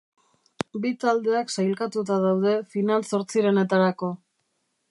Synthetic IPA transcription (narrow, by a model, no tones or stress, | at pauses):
bit̪ald̪e̞aksajlkat̪ut̪̬aðawð̞e̞finalso̞ɾt͡siɾe̞ne̞t̪aɾako̞